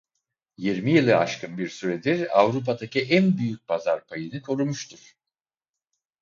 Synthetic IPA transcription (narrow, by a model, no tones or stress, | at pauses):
jiɾmijilˠɯa̰ʃkʰɯnbiɾsyɾed̪iɾa̰vɾup̬ʰad̪acʰiʔænbyjyc̚pazaɾpʰajɯnɯkʰo̞ɾumuʃt̪ʰuɾ̥